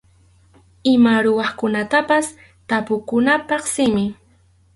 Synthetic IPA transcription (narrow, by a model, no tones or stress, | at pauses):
ɪmaɾʊwɑχkʊnat̪apas | t̪apʊkʊnapɑχsɪmɪ